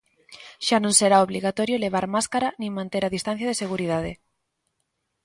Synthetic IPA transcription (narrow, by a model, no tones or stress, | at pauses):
ʃanõŋseɾaoβliɣat̪ɔɾjoleβ̞aɾmaskaɾanĩŋmãnt̪eɾaðist̪an̟θjaðeseɣuɾiðaðe